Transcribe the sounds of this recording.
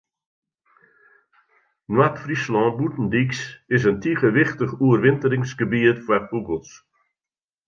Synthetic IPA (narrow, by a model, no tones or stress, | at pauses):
nwatfrislɔ̃ːbutn̩diksɪs̬əntʰiχəʋɪχtəχuərʋɪntəɾɪŋsɡəbiətfwabuɡəlˠs